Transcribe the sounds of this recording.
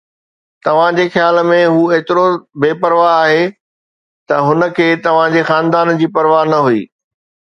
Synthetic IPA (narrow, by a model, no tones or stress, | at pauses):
t̪ɐʋ̤ãd͡ʑeːxjaːlmẽɦuːeːt̪ɪɾobeːpɐɾʋaɦaːɦeː | t̪ɐɦʊnə̆kʰeːt̪ɐʋ̤ãd͡ʑeːxaːnd̪aːnd͡ʑiːpɐɾʋaːɦnɐɦuḭː